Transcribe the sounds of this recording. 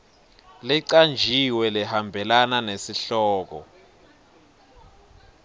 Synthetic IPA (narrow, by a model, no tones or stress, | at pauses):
liǀand͡ʒʱiwɛlɛhambʱɛlananesiɬɔːk̬ɔ̰